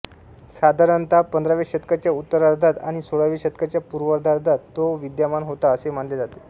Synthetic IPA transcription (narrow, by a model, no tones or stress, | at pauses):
sad̪ʱaɾənt̪apənd̪ɾaʋeɕət̪̚kat͡ɕjaut̪ːəɾaɾd̪ʱat̪aɽ̃isoɭaʋeɕət̪kat͡ɕjapuɾʋəɾd̪ʱaɾd̪ʱat̪ːoʋid̪jamanɦot̪aəsem̤aɳled͡zat̪e̥